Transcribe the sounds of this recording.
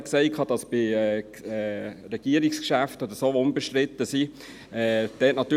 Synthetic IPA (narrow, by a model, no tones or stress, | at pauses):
kseɪkʰɑd̥ɑsb̥ɪɛ | ɛɾɛɡ̥iəɾikskʃæftod̪əsoːʊmbəʃtɾɪt̪əsi | ɛːd̥ɛːtnɑt̪ːyː